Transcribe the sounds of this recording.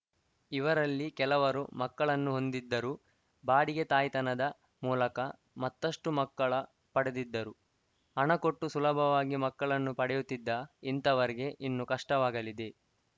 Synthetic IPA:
iʋɐɾɐlːikɛlɐʋɐɾṵmɐkːɐɭɐnːuɦo̞nd̪id̪ːɐɾu | baːɽiɡet̪aːjt̪ɐnɐd̪ɐ | muːlɐkɐ | mɐt̪ːɐʂʈumɐkːɐɭɐ | pɐɽed̪id̪ːɐɾu | ɐɳɐko̞ʈːusulɐbʱɐʋaːɡimɐkːɐɭɐnːupɐɽɛjut̪ːid̪ːɐint̪ɐʋɐɾiɡe̞ʔinːukɐʂʈɐʋaːɡɐlid̪e̞

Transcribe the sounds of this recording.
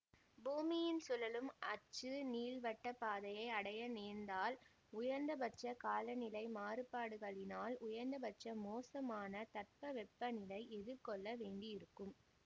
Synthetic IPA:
buːmɪjɪnsʊlɐlɯmɐt͡ʃːɯniːlʋɐʈːɐpaːðɐjɐɪɐɽɐjɐneːnd̪aːl | ʊjɐɾnd̪ɐbɐt͡ʃːɐkaːlɐnɪlɐɪmaːrɯpaːɽɯɣɐɭɪnaːlʊjɐɾnd̪ɐbɐt͡ʃɐmoːsɐmaːnɐt̪ɐʈ̚pɐʋɛpːɐnɪlɐɪʔɛðɯkɔɭːɐʋeːɳɖɪjɪɾɯkːɯm

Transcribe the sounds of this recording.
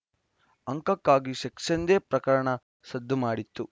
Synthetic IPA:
ɐŋkɐkːaːɡiʃɐkʂɐnd̪eːpɾɐkɐɾɐɳɐ | sɐd̪ʱːumaːɽit̪ːu

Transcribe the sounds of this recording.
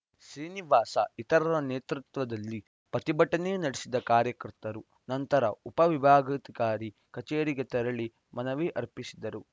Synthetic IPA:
sɾiːniʋaːsɐ̰it̪ɐɾɐɾɐneːt̪ɾut̪ʋɐd̪ɐlːi | pɐt̪ibɐʈːɐnenɐɽesid̪ɐkaːɾjɐkɐɾt̪ɐɾu | nɐnt̪ɐɾɐupɐʋibʱaːɡɐt̪ikaːɾi | kɐt͡ʃeːɾiɡet̪ɛɾɐɭi | mɐnɐʋeʔɐɾpisid̪ɐɾu

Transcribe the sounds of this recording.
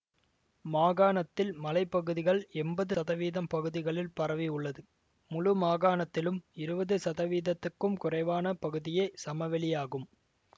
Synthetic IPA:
maːɣaːnɐt̪ːɪlmɐlɐɪpːɐɣɯðɪɣɐɭɛmbɐðɯɐðɐʋiːðɐmpɐɣɯðɪɣɐɭɪlpɐɾɐʋɪʊɭːɐðɯ | mʊlʊmaːɣaːnɐt̪ːɪlɯmɪɾɯbɐðɯsɐðɐʋiːðɐt̪ːɯkːɯmkʊrɐɪʋaːnɐpɐɣɯðɪjesɐmɐʋɛɭɪjaːɣɯm

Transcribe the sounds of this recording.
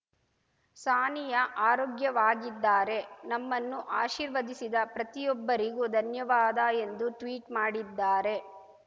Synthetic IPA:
saːnijɐʔaːɾoːɡjɐʋaːɡid̪ːaːɾe̞nɐmːɐnːuʔaːʃiːɾʋɐd̪isid̪ɐpɾɐt̪ijɔbːɐɾiɡud̪ʱɐnjɐʋaːd̪ɐe̞nd̪uʈʋiːʈmaːɽid̪ːaːɾe̞

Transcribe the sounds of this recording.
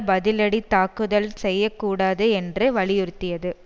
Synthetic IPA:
bɐðɪlɐɽit̪aːkɯðɐlsɛjːɐkːuːɽaːðɯɛndrɯʋɐɭɪjʊɾɯt̪ːɪjɐðɯ

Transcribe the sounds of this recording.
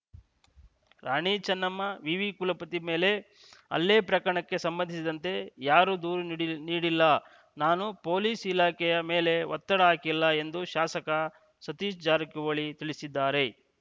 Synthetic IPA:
ɾaːɳiːt͡ʃɐnːɐmːɐʋiʋikulɐpɐt̪ime̞ːle̞ | ɐ̰lːeːpɾɐkɐɾɐɳɐkːe̞sɐmbɐnd̪ʱisid̪ɐnt̪e̞jaːɾud̪uːɾuniːɽilːɐ | naːnupo̞ːliːsilaːkɛjɐme̞ːle̞ʋɐt̪ːɐɽɐaːkilːɐe̞nd̪uʃaːsɐkɐ | sɐt̪iːʃd͡ʒaːɾɐkuʋɐɭit̪iɭisid̪ːaːɾe̞

